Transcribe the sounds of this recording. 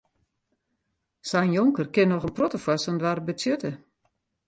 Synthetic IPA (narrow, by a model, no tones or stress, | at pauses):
sɛjnjoŋkərkɪnːɔxənprotəfwasəndʋarbət͡sjøtə